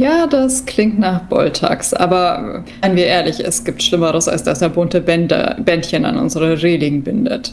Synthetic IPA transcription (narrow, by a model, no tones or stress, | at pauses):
jaːdasklɪŋ̚tnaːχb̥ɔ̰ltʰa̰ːksʔa̰ːbɐ | ɪnənviːɐʔeːɐlɪçɛ̰sɡ̥iːp̚tʃlɪməʁəsa̰lsd̥asd̥eːɐbʊntəbɛnd̰b̥ɛntçəna̰nʔʊ̰nzəʁəʁeːlɪɡŋ̩bɪndə̰t